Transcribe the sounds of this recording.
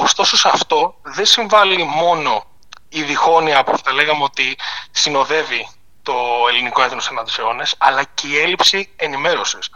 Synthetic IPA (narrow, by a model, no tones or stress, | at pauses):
ost̪oso̞sɐft̪o̞ðe̞nsiɱvɐlimo̞no̞ | iðixo̞niɐːpoθi̥θɐle̞ɣɐmeo̞t̪isino̞ðe̞vi | t̪o̞e̞liniko̞eθonosɐnɐt̪i̥seo̞nesɐlɐceie̞lipsie̞nime̞ɾo̞sis